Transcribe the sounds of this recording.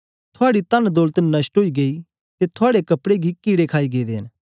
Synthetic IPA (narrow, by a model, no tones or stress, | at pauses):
t̪ʰʊaːɽit̪ɐnd̪oːlt̪nɐsʈɦoːiɡeiː | t̪et̪ʰʊaːɽekɐpɽeɡikiːɽekʰaːiɡeːd̪eːn